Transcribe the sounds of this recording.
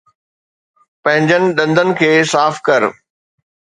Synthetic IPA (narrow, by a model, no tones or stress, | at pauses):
pɐ̃ɦɪ̃ɲd͡ʑənɪ̆ɗɐ̃nd̪ʱənɪ̆kʰeːsaːfkɐɾ